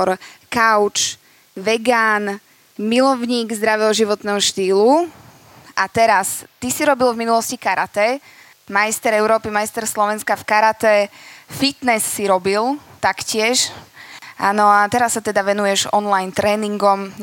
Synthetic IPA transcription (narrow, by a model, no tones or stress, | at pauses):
ɾkaʊt͡ʃ | ʋɛɡaːn | milɔʊɲiːɡzd̪ɾaʋɛɦɔʒiʋɔt̪nɛːɦɔʃt̪iːlu | ʔat̪ɛɾast̪isiɾɔbilvminulɔscikaɾat̪ɛ | majst̪ɛɾɛʊɾɔːpimajst̪ɛɾslɔʋɛnskafkaɾat̪ɛfit̪nɛsːiɾɔbilt̪akcɪɛʃ | ʔa̰ːnɔat̪ɛɾasːat̪ɛd̪aʋɛnujɛʒɔnlajnt̪ɾɛːniŋɡɔm